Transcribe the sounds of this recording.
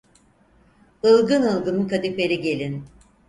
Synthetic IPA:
ɯlˠɡɯnɯlˠɡɯnɯnkʰad̪ifeɾiɟe̞lʲin

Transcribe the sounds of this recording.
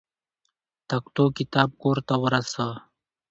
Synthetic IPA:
t̪ɐkt̪oːkit̪aːb̚koːɾt̪awɐɾɐsa

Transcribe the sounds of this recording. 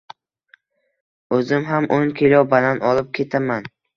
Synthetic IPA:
ɵzɪmɦamʔoŋkʲʰelʲɒbananɒlˠɪp̚kʲʰe̞t̪ʰaman

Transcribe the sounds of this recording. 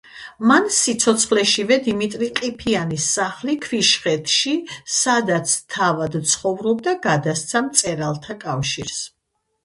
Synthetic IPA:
mansit̪sʰɔt̪sʰχlɛʃivɛd̪imit̪ʼɾiqʼipʰianisːaχlikʰviʃχɛt̪ʰʃisad̪at̪sʰt̪ʰavad̪t̪sʰχɔvɾɔb̚d̪aɡad̪ast̪sʰamt̪sʼɛɾalˠt̪ʰakʼafʃiɾs

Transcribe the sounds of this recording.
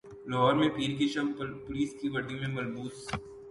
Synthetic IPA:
lɔɦɔːɾmẽpiːɾkiʃɐmpʊliːskiʋɐɖĩmẽmɐlbuːd̪s

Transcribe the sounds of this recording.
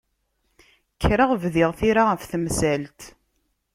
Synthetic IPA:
çʰɾəʁvðɪʁθiɾaəfθmsælt̪

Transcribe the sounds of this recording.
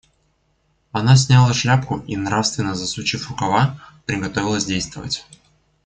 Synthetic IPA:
ɐnas̬ʲnʲalˠəʂlʲapkʊʔinɾafst̪vʲɪnːəzɐsˠut͡ɕɪfʊkɐvapɾʲɪɡɐt̪ovʲɪlˠəsʲdʲejst̪vəvə̰tʲ

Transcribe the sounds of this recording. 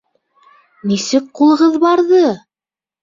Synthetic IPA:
nisɘk̚qulˠɤ̆ʁɤðbɑɾðɤ

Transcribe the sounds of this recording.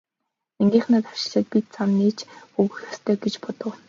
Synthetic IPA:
eŋɡʲiːχnăt̪ḁʃɪ̥̆ɮə̆t̪̚pʲit̪̚t͡samniːt͡ɕɵɣɘ̆xɔst̪ʰœːɡet͡ɕpɔt̪ə̆w

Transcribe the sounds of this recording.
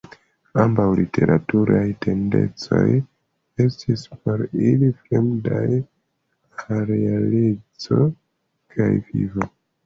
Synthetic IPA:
ambawlite̞ɾʔatuɾajte̞nde̞̰t͡so̞̰j | e̞stʰispoɾilifɾemdaj | aɾealed͡zo | kʰajvḭvo

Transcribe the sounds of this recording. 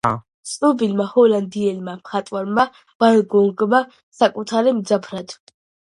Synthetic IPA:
tsʼnɔbilmahɔland̪iɛlmamχat̪ʼwaɾma | b̥alɡɔlɡma | sakʼut̪ʰaɾimd̪zapʰɾad̪̥

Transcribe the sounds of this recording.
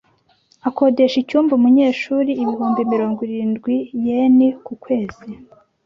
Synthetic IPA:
ako̞de̞ʃicuːɱvuumuɲeːʃuːɾiːβihuːmbimiɾo̞ːŋɡwiɾiːnɡwijenikukwe̞ːz̥i

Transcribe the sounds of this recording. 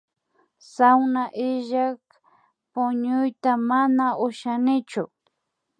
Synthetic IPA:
sawnaʔɪʒak | pʊɲʊjt̪amanaʊʃanɪt͡ʃʊ

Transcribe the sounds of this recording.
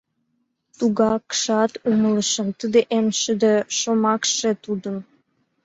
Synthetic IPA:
t̪uɣɑkʃɑt̪umələʃəmt̪əd̪eʔemʃəd̪eʃomɑkʃet̪ud̪ən

